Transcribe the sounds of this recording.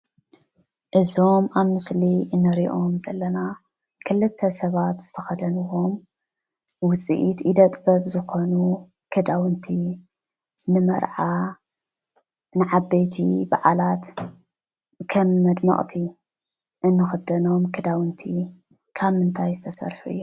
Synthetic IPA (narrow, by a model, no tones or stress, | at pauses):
ʔɨzo̞maβmɨsliɨnːɐɾiʔo̞mzɐlːɐna | kʰɨlːɨt̪ʰːɐsɐβat̪z̥ɨt̪ʰɐxɐd̪ɐnuwom | wʊt͡sʼḭʔit̪id̪ɐt̪ʼbɐβzɨxo̞nu | kʰɨd̪awɨnt̪ʰi | nɨmɐ̰ɾʕa | nɨʕabejt̪ʰḭbaʕalat̪ | kʰɐmːɐd̪mɐ̰χʼt̪ʰi | ʔɨnːɨxɨd̪ɐno̞mkʰɨd̪awɨnt̪ʰi | kʰaβmɨnt̪ʰajzɨt̪ʰɐsɐ̰ɾħuʔjːu